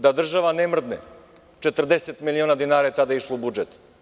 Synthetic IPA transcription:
d̪ad̪r̩ʒavanɛmr̩d̪nɛ | t͡ʃɛt̪r̩d̪ɛsɛt̪miliɔnad̪inaɾiɛt̪ad̪aiʃlˠɔbud͡ʒɛt̪

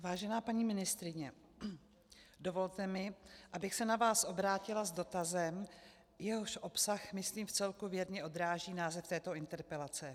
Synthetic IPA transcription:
vaːʒɛnaːpaɲiːmɪnɪst̪ɾɪɲɛ | do̞vo̞lt̪ɛmɪʔabɪxsɛnavaːsʔo̞bɾaːcɪlazdo̞t̪azɛm | jɛɦoʃʔo̞psaxmɪsliːmft͡sɛlkuvjɛdɲɛʔo̞d̪ɾaːʒiːnaːzɛft̪ɛːt̪o̞ɪnt̪ɛɾpɛlat͡sɛ

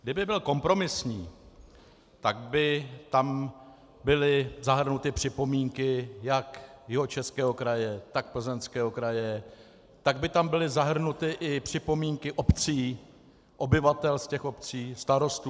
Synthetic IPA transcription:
ɡdɪbɪbɪlko̞mpɾo̞mɪsɲiː | t̪aɡ̚bɪt̪am | bɪlɪzaɦr̩nut̪ɪpr̥ɪpo̞miːŋkɪjakjɪɦo̞t͡ʃɛskɛːɦo̞kɾajɛt̪ak̚pl̩zɛnskɛːɦo̞kɾajɛ | t̪aɡbɪt̪ambɪlɪzaɦr̩nut̪ɪʔɪpr̝̥ɪpo̞miːŋkɪʔopt͡siː | ʔo̞bɪvat̪ɛlscɛxo̞pt͡siːst̪aɾo̞st̪u

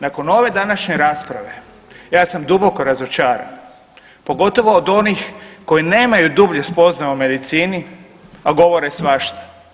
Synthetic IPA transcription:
nako̞no̞ʋe̞d̪anaʃɲe̞ɾaːspɾa̰ʋe̞ | jaːsamd̪uboko̞ɾazot͡ʃaːɾa̰n | po̞ɡo̞t̪o̞ʋo̞ːd̪o̞nixko̞jine̞ːmajud̪ubʎespo̞znaume̞d̪it̪siːni | aɡo̞ʋo̞ɾesʋaʃt̪ḁ

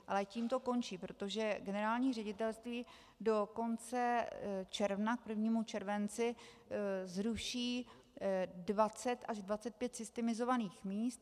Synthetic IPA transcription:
ʔalɛciːmt̪o̞ko̞nt͡ʃiːpɾo̞t̪o̞ʒɛɡɛnɛɾaːlɲiːrɛɟɪt̪ɛlst̪viː | do̞ko̞nt͡sɛt͡ʃɛɾvnak̚pr̩vɲiːmut͡ʃɛɾvɛnt͡sɪ | zɾuʃiː | dvat͡sɛt̪ʔaʒdvat͡sɛt̪̚pjɛt̪z̥ɪst̪ɛmɪzo̞vaniːxmiːst̪̚

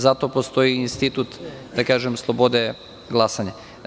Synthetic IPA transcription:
zat̪opost̪o̞iːnst̪it̪ut̪d̪akaːʒemslˠobo̞d̪e | ɡlˠasaɲa

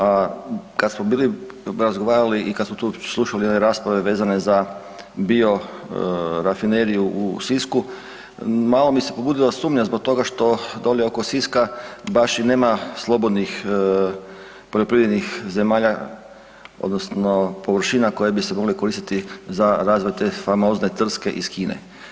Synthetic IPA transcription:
akad̪smobiːli | ɾazɡoʋaːɾaliʔikad̪smot̪uːslˠuʃalijed̪neɾaːspɾaʋe̞ʋe̞ːzane̞za | bio̞ | ɾafine̞ɾijuʔusisku | maːlˠo̞bise̞po̞buːd̪ilˠosuːmɲazbo̞k̚t̪o̞ɡaʃt̪o̞d̪o̞lieoko̞siskabaʃine̞ːmaslˠo̞bo̞d̪nix | poʎo̞pɾiʋɾed̪nixze̞maːʎa | o̰d̪nosno̞po̞ʋr̩ʃiːnako̞jebisemo̞ɡleko̞ɾiːst̪it̪izaɾaːzʋojt̪e̞famo̞ːzne̞t̪r̩ske̞ʔiskiːnḛ

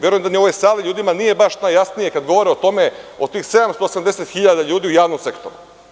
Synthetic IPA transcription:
je̞ɾujemd̪anioʋojsaːliʎuːd̪imanije̞baʃnajasnije̞kad̪ɡoʋo̞ɾeot̪o̞me̞o̞t̪iːxse̞d̪amst̪oːsamd̪eset̪xiʎad̪aʎuːd̪iːujaːʋnomse̞kt̪o̰ɾu

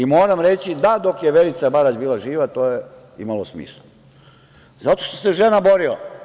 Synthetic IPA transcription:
imo̞ːɾamɾet͡ɕid̪ad̪o̞kjeʋe̞lit̪sabaɾad͡ʑbiːlaʒiːʋat̪o̞ːje | ḭmalo̞smḭːslˠu | zat̪o̞ʃt̪o̥seʒenabo̞ɾila̰

